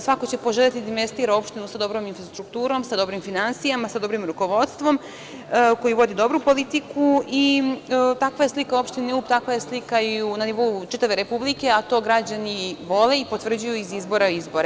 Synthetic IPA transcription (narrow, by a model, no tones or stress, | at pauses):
sʋako̞t͡ɕe̞po̞ʒelʲat̪id̪d̪imest̪iːɾao̞pʃt̪inusad̪o̞bɾo̞ːminfɾast̪ɾukt̪uːɾo̞msad̪o̞bɾimfinansijamasad̪o̞bɾimɾuko̞ʋo̞d̪st̪ʋo̞m | ko̞jiʋo̞d̪id̪o̞bɾupo̞lit̪ikui | t̪akʋaje̞slikao̞pʃt̪iniupt̪akʋaje̞slikaiunaniʋo̞ut͡ʃit̪aʋe̞ɾe̞publike̞at̪o̞ɡɾad͡ʑaniʋo̞le̞ipo̞t̪ʋr̩d͡ʑujuizizbo̞ɾaizbo̞ɾe